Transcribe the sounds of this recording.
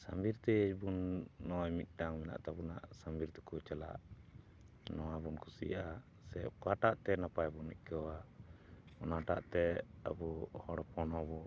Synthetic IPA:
sambiɾt̪ɛəbunːɔjmit̪̚ˀɖaŋmɛna̰ʔt̪abuna̰ʔsambiɾt̪ɛkut͡ʃala̰ʔ | nɔwabunkʰusḭaʔa | sɛp̚kaʈaʔt̪ɛnapajbunic̚kawa | ɔnaʈa̰ʔt̪ɛa̰buhɔɽɔpɔnɔbɔ

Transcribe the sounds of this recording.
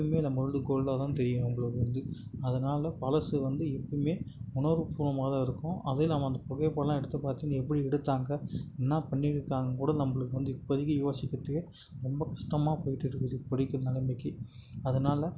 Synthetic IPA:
ɯmeːnɐmːɐɾɐld̪ɯkoːɭlɐt̪ãːt̪ɛɾɪjɐ̃ɛŋɡɐɭoðɯɾɯnd̪ɯɐðɐnaːlɐpɐlɐsɯʋɐnd̪ɯɛpːɐɽmeːʊɳɐʋɯpuːʋɐmaːðɐ̃ɪɾɯkːʊ̃ʔɐðɪlɐmɐɐnd̪ɐpɔɣɐpɐːɽɐlãːɛɽɯt̪ːɐpaːɾt̪ɪːŋɛpːɐɽiɛɽɯt̪ːaːŋɡɐɛnːaːpɐɳːiɽɯkːaːŋɡɐkuːɽɐnɐmːɐɭɯkːɯʋɐnd̪ɯɪpːɔðɪɣɐjoːsɪkːɐt̪ːɯkɐ | ɾɔmbɐkɐʂʈɐmaːpoːjɪʈːɯɪɾɯkːɯðɯpɐɽɪkːɯnɐlɐmɪkːɯɐðɐnaːlɐ

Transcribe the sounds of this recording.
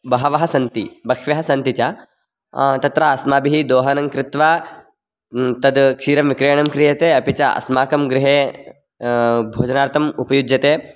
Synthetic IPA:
bɐɦɐʋɐɦɐsɐnt̪ibɐkʂʋɐɦɐsɐnt̪it͡ʃɐ | t̪ɐt̪ɾaɐsmaːbiɦid̪oːɦɐnɐŋkɾɪt̪ʋaː | t̪ɐd̪kʃiːɾɐmʋikɾejɐɳɐmkɾijɐt̪eːɐpit͡ʃɐʔɐ̰smaːkɐmɡɾɪɦeː | bʱoːd͡ʒɐnaːɾt̪ʰɐmupɐjud͡ʒjɐt̪eː

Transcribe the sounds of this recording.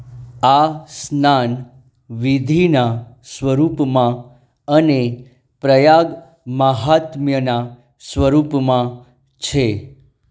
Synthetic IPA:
asnan | ʋid̪ʱina | sʋəɾupmã | əne | pɾəjaɡ | məɦat̪mjəna | sʋəɾupmã | t͡ʃʰe

